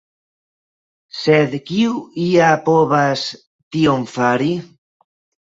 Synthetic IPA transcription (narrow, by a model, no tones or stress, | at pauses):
sed̪kiuiapoβas | t̪iomfaɾi